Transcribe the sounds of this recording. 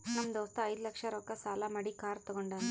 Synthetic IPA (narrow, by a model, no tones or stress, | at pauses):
nɐmːɐd̪ɐːst̪ɐɐjd̪ulɐkʂɐɾɔːkɐsaːlamɐɽikaːɾt̪ɔɡoɳɖɐ